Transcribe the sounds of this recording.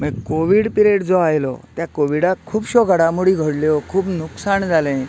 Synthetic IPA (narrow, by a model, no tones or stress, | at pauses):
məɡkoʋiːɽpiɾeʈd͡zɔajlɔ̰t̪jakoʋiɽakʰuːbɕɔɡʱaɽamuɽiɡʱəɽljɔkʰuːbnuksaɳd͡zʱalɛ̃